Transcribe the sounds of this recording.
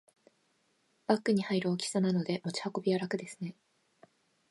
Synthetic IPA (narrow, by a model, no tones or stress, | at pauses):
b̥akːɯ̟ɲ̟ihaiɾɯ̟okʲi̥sanano̞d̪e̞mo̞t͡ɕi̥hako̞bʲijaɾakɯ̟d̪e̞sɨ̥ne̞